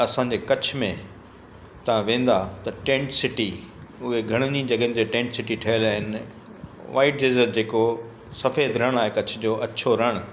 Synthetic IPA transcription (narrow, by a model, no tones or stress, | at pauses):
ɐsãːɲ̆d͡ʑeːkɐt͡ɕʰmẽ | t̪ɐʋ̤ãʋẽːn̆d̪at̪ɐʈẽːɳʈsɪʈi | ʊɦeɡʱɐɽ̃nĩd͡ʑɐɡəɪ̃nt̪eʈẽːɳʈsɪʈiʈʰɐɦəlaːɦɪnɪ | ʋaːɪʈ̚d͡ʑeːzəɾd͡ʑeːko | sɐfeːd̪ɾɐɽ̃aːɦekɐt͡ɕʰʊ̆d͡ʑoːʔɐt͡ɕʰoɾɐɽ̃